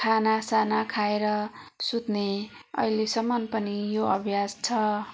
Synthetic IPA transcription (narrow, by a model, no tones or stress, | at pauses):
kʰanasanakʰaeɾʌsut̪neʌ̰ilesʌmːʌnpʌnijoʌbʱjad͡zt͡sʰʌ